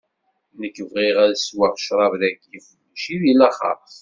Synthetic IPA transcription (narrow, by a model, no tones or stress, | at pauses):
nəkːəvʁiʁæðswaʁʃɾˤɑvðækːiflːʃiðilæχɑ̰ɾˤ